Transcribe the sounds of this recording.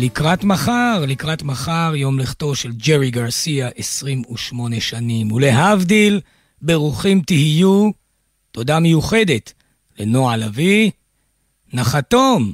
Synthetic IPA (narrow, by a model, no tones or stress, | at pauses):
likʁatmaχaʁlikʁatmaχaʁjo̞mleχto̞ʃe̞ld͡ʒeʁiɡaʁsiaʔesʁimuʃmo̞ne̞ʃanimule̞ɦavdil | be̞ʁuχimtihiju | to̞damejuχe̞de̞t | le̞no̞alavi | naχato̞m